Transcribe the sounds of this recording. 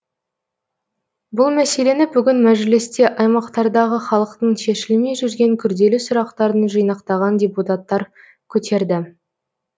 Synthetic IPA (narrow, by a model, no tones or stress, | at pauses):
bʊlˠmæse̞le̞nɪbʏɡʲɪnmæʒlɪst̪e̞ʔɑjmɑqt̪ɑɾd̪ɑʁəχɑlˠəqt̪əɴʃe̞ʃɪlme̞jʒʏɾɡʲe̞ŋkʲʰʏɾd̪e̞lɪsʊɾɑqt̪ɑɾd̪ənʒɯjnɑqt̪ɑʁɑndʲeput̪at̪ːɑɾ | kʲʰɵt̪ʰe̞ɾd̪ɪ